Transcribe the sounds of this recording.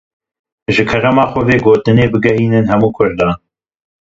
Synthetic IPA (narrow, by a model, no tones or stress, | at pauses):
ʒɨkʰɐɾɐmɑːxʷɔveːɡoːt̪ɨneːbɨɡɛhiːnɨnhɛmuːkʰʊɾd̪ɑː